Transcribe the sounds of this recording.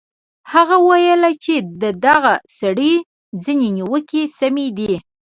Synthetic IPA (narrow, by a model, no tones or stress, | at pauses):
haɣawəwajəlat͡ʃed̪əd̪aɣasaɽə | d͡zineniwəkesamed̪i